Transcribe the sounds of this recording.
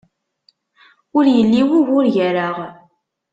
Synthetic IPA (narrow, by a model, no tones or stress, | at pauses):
ʊɾjəlːiwiʝʊɾʝəɾaʁ